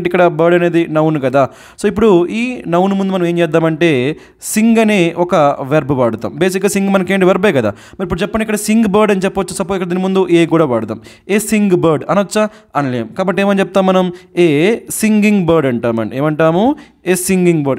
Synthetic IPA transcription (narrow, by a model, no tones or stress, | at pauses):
ʈikːɐɽɐbɐɾɖɐne̞ːd̪inɐwnkɐd̪aː | soːip̬ːuɽuiːnɐwnmund̪umɐnɐmeːɲt͡ʃɛːd̪ːaːmɐɳʈe̞ː | siŋɡɐneːʔɔkɐʋeɾbuʋaːɽut̪a̰ːmbeːs̬ikːɡaːsiŋɡmɐnɐkeːɳʈiʋɐɾbleːkɐd̪a̰ː | mɐɾipːuɽut͡ʃɛpːɐɳːɖikːɐɽɐsiŋɡbɐːɾɖɐnit͡ʃɛpːɐʋɐt͡ʃːusɐpoːt̪kɐɽɐd̪inimund̪uʔeːkuːɽaːʋaːɽut̪a̰ːm | eːsiŋɡbɐːɾɖɐnɐɐt͡ʃːɐ | ɐnleːmkaːbɐʈ̬ːeːmɐnt͡ʃɛp̚t̪aːmːɐnɐmeːsiŋɡiŋɡbɐːɾɖɐɳʈaːmɐ̰neːmɐɳʈaːmu | eːsiŋɡiŋɡbɐɾɖ